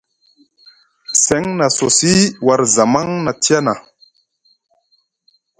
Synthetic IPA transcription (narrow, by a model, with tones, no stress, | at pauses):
se˦ŋna˨so˨si˦wa˨ɾza˨ma˦ŋna˨ti˦a˦na˨